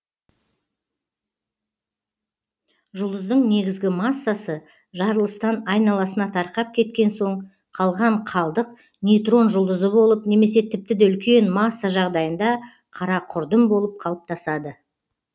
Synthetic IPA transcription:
ʒʊlˠd̪əzd̪əɴne̞ɡʲɪzɡʲɪmɑsːasə | ʒɑɾəlˠəst̪ɑnɑjnɑlˠɑsənɑt̪ʰɑɾqɑp̚kʲʰe̞t̪̚kʲe̞nso̞ɴ | qʰɑlˠʁɑɴqʰɑlˠd̪əq | nijt̪ro̞nʒʊlˠd̪əzəbo̞lˠəpne̞me̞s̬e̞t̪ʰɪp̚t̪ɪd̪eʏlkʲe̞nmɑsːaʒɑʁd̪ɑjənd̪ɑ | qʰɑɾɑqʰʊɾd̪əmbo̞lˠəp̚qʰɑlˠəp̚t̪ʰɑsɑd̪ə

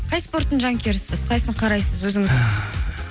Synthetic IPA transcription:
qʰɑjspo̞ɾt̪ːənʒɑŋkʲʰe̞ɾɪsɪz̥qʰɑjsəɴqʰɑɾɑjsəzwɵzɪŋɪ

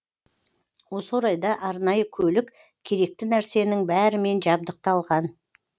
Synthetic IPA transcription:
wo̞səɾɑjd̪ɑʔɑɾnɑjəkʲʰɵlɪk | kʲʰe̞ɾe̞k̚t̪ɪnæɾse̞nɪŋbæɾɪme̞nʒɑb̚d̪əq̚t̪ɑlˠʁɑn

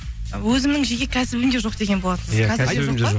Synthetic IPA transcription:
wɵzɪmnɪŋʒeɡʲe̞kʲʰæsɪbɪnd̪e̞ʒo̞qd̪e̞ɡʲe̞nbolˠɑt̪ənəzkæmeo

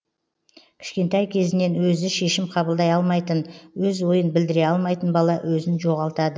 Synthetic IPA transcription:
kʲʰɪ̥ʃkʲe̞nt̪ɑjkʲʰe̞zɪne̞nwɵzɪʃe̞ʃɪmqʰɑbəlˠd̪ɑjɑlˠmɑjt̪ənwɵzwo̞jənbɪld̪ɪɾe̞ɑlˠmɑjt̪ənbɑlˠɑwɵzɪnʒo̞ʁɑlˠt̪ɑd̪ə

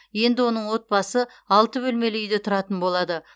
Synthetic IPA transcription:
je̞nd̪ɪwo̞nəɴwo̞t̪̚bɑsə | ɑlˠt̪əbɵlme̞lejd̪et̪ʰʊɾɑt̪ənbo̞lˠɑd̪ə

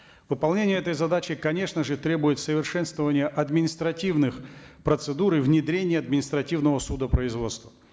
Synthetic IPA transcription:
vɨpɐlˠnʲenʲɪjəɛt̪əjzɐd̪at͡ɕɪkɐnʲe̞ʂnəʐɨt̪ɾʲe̞bʊjɪt̪səvʲɪrʂɛnst̪vəvənʲɪjəʔɐd̪mʲɪnʲɪst̪ɾɐtʲivnɨxpɾət̪sɨd̪uɾɪvnʲɪd̪ɾʲenʲɪjəɐd̪̚mʲɪnʲɪst̪ɾɐtʲivnəvəsud̪əpɾəɪzvo̞t̪st̪və

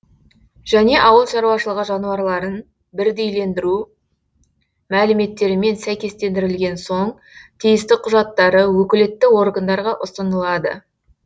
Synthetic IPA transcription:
ʒ̥æne̞ʔɑwəlˠʃɑɾuɑʃəlˠəʁəʒɑnuɑɾlˠɑɾən | bɪɾd̪e̞jle̞nd̪ɪɾu | mælɪme̞t̪ːe̞ɾɪme̞nsæjkʲe̞st̪e̞nd̪ɪɾɪlɡʲe̞nso̞ɴ | t̪ʰijɪst̪ɪqʰʊʒɑt̪ːɑɾəwɵkʲɪle̞t̪ːɪwo̞ɾɡənd̪ɑɾʁɑʔʊst̪ənəlˠɑd̪ə̰

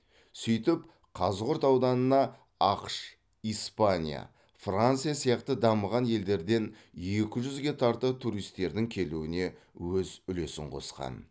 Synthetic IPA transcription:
sʏjt̪ɪp | qʰɑzʁʊɾt̪ɑwd̪ɑnənɑ | ɑqʃ | ijspanʲija̰ | frant̪sɨjasijɑqt̪əd̪ɑməʁɑnje̞ld̪e̞ɾd̪e̞n | e̞kʲɪʒʏzɡʲe̞t̪ʰɑɾt̪ət̪ʰuɾijst̪ːe̞ɾd̪ɪŋkʲʰe̞luwɪne̞wɵzʏle̞sɪ̰ɴqʰo̞̰sqɑ̰n

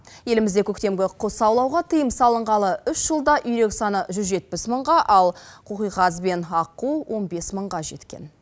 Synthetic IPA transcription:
je̞lɪmɪzd̪e̞kʲʰɵkt̪e̞mɡʲeqʰosɑwlˠɑwʁɑt̪ʰəjəmsɑlˠəɴʁɑlˠəʏʃʒ̥əlˠd̪ɑʔʏjɾe̞ksɑnəʒʏzʒe̞t̪̚pɪsməɴʁɑʔɑlˠqʰoqijʁɑzbe̞nɑquwʔo̞nbe̞sməɴʁɑʒe̞t̪kʲe̞̰n

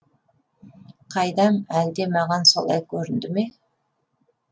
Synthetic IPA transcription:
qʰɑjd̪ɑmæld̪e̞mɑʁɑnso̞̰lˠɑ̰jkʲʰɵɾɪnd̪ɪme̞

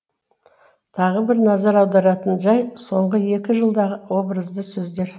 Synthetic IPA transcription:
t̪ʰɑʁəbɪɾnɑzɑɾɑwd̪ɑɾɑt̪ənʒɑjso̞ɴʁəe̞kʲɪʒəlˠd̪ɑʁəwo̞bɾəzd̪əsɵzd̪e̞ɾ

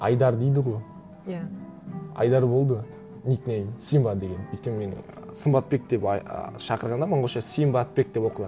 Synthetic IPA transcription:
ɑ̰jd̪ɑɾd̪ejd̪ɪʁoj | ja | ɑ̰jd̪ɑɾbo̞lˠd̪ə | niknejsijmbɑd̪e̞ɡʲe̞nʰejt̪kʲːenmenɪ̰ | səmbɑt̪̚be̞k̚d̪e̞pʃɑqəɾʁɑnd̪ɑməɴʁoʃɑsijmbɑt̪̚be̞k̚d̪e̞pwo̞qəlˠɑ

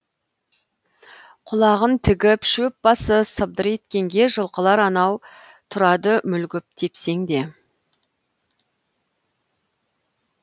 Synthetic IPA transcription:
qʰʊlˠɑʁənt̪ʰɪɡʲɪpʃɵp̚bɑsəsəb̚d̪əɾe̞t̪kʲe̞ŋɡʲe̞ʒəlˠqəlˠɑɾɑnɑw | t̪ʰʊɾɑd̪əmʏlɡʲɪp̚t̪ʰe̞pse̞ŋd̪e̞

